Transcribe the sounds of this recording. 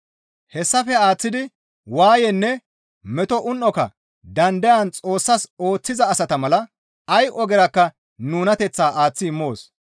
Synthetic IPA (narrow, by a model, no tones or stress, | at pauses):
hɛsːɐfɛaːt͡sːɪd̪ɪ | waːjɛnːɛ | mɛt̪ɔʔʊnʔɔkɐ̰ | d̪ɐnd̪ɛjɐnt͡sʼo̞ːsːɐso̞ːt͡sːɪzɐːsɐt̪ɐmɐlɐ | ɐjʔɔɡɛɾɐkːɐ | nuːnɐt̪ɛt͡sːaːʔaːt͡sːɪɪmːo̞ːs